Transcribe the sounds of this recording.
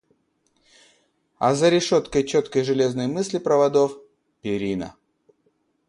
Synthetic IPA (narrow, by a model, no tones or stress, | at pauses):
ɐ̰zəɾʲɪʂot̪kəjt͡ɕot̪kəjʐɨlʲe̞znəjmɨsʲlʲɪpɾəvɐd̪of | pʲɪɾʲinə̰